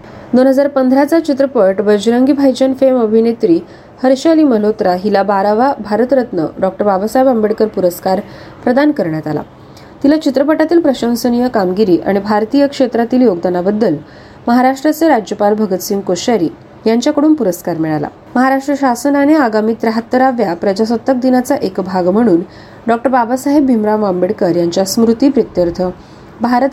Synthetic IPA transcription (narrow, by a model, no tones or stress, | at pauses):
d̪onɦəd͡zaɾpənd̪ʱɾat͡sat͡ɕit̪ɾəpəʈʋəd͡ʑɾəŋɡibʱajd͡ʑənfeməbʱinet̪ɾiː | həɾɕaliːməlot̪ɾaɦilabaɾaʋabʱaɾət̪ɾət̪nə̰ɖɔk̚ʈəɾbabəsajbəmbeɽkəɾpuɾəskaɾ | pɾəd̪ankəɾɳjat̪ala̰ | t̪ilat͡ɕit̪ɾəpəʈat̪iːlpɾəɕə̃wsənijəkamɡiɾiːʔa̰ɽ̃ibʱaɾt̪ijəkʂet̪ɾat̪iːljoɡd̪anabəd̪ːəl | məɦaɾaʂʈɾat͡seɾad͡ʑjəpalbʱəɡət̪siːmkoɕaɾiː | jaɲt͡ɕjakəɽuːnpuɾəskaɾmɛɭala̰ | məɦaɾaʂʈɾəɕasənaneaɡamiːt̪ɾəɦat̪ːəɾaʋjapɾəd͡ʑasət̪ːək̚d̪inat͡saʔekbʱaɡm̤əɽ̃uːn | ɖɔk̚ʈəɾbabasaɦebːʱimɾamʋambeɽkəɾjaɲt͡ɕjasmɾut̪iːpɾət̪jəɾt̪ʰə | bʱaɾət̪